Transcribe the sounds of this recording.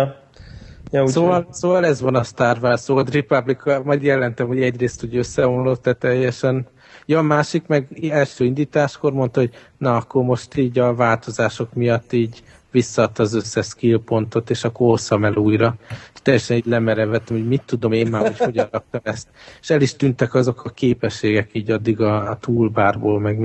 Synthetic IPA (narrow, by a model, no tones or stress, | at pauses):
jsoːvɒlsoːvɒlɛzʋɒnɒst̪aːrvarsoːɒd̪ripɒblikʰɒmɒjd̪jɛlɛnt̪ɛmho̞ɟɛɟreːst̪uːɟøsːɛonlot̪d̪ɛt̪ɛjɛʃɛn | joɒmaːʃikmɛɡɛlʃøːind̪iːt̪aːʃkormo̞nt̪ɒɦo̞ɟ̚ | nɒɒkːo̞rmo̞ʃt̪iːɟɒvaːlt̪o̞zaːʃo̞kmijɒt̪ːiːɟ | ʋisːɒːt̪ːɒːzøsːɛʃkilpo̞nt̪o̞t̪eːʃɒkːorosːɒmɛluːjɾɒeʃt̪ɛjːɛʃɛniːɟlɛmɛɾɛvɛt̪ːɛmhoɟmit̪ːud̪o̞meːmːaːocho̞ɟɒnrɒk̚t̪ɒmɛst̪eʃɛliʃt̪ynt̪ɛkɒzo̞kʰɒkeːpɛʃːeːɡɛkiːɟɒd̪ːiɡɒːt̪uːlbaːrboːlmɛɡ